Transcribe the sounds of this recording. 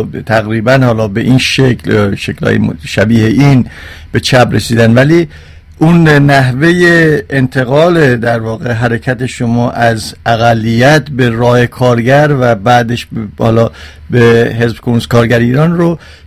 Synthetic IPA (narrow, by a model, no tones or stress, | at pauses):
t̪ʰæɣɾiːbænhɒːlɒːbeʔinʃekʰlʃeklɒ̰ːjḛm̰ʃæbiːheʔin | b̥e̞t͡ʃʰæbɾesiːd̪ænd̪væliː | ʔunnæɦvejeːnt̪ʰe̞ɣɒːled̪æɾvɒːɣe̞ɦæɾe̞cʰæt̪ʰe̞ʃomɒːʔæzʔæɣælːijæt̪be̞ɾɒːhe̞kʰɒːɾɡæɾvæbæːd̪eʃhɒ̰ːlɒː | behe̞zbkʰonuskʰɒːɾɡæɾiːɾɒnro